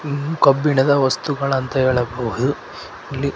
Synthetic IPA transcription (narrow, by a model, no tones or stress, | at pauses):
kɐbːiɳɐd̪ɐʋɐst̪uɡɐɭɐnt̪ɐɦeːɭɐbɐɦud̪u | ɐlːi